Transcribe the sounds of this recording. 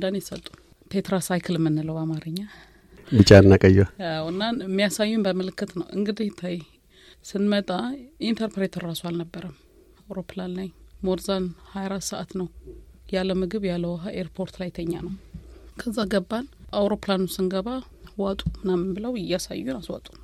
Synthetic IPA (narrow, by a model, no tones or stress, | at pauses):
d̪anjɛsə̰t̪ʼːu̥ | pʰet̪ʰɾasajkʰɨlɨmːɨnːɨləwamaɾɨɲːa | bɨt͡ʃʼːaɨnːakʼəjaawɨnːamːijasajːumbəmɨlɨkːɨt̪nəwʔɨ̰ŋɡɨd̪iht̪ʰaj | sɨnmət̪ʼaʔint̪ʰəɾpɾet̪ʰəɾːasoalnəbːəɾəm | awɾo̞planlajmoɾzanhajaɾat̪səʔat̪nəwjalːəmɨɡɨβjalːəwɦaʔeɾpʰo̞ɾt̪lajt̪ʰəɲːa̰nəwkʰəzːaɡəbːanʔawɾoplanusɨnɡəβa | wat̪ʼumɨnamːɨnbɨləwɪjasa̰jːunaswa̰t̪ʼun